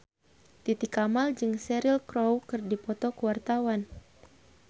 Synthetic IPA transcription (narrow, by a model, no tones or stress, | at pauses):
t̪it̪ikamald͡ʒɨŋsɛɾilkɾowkɨrdipɔt̪ɔkuwart̪awan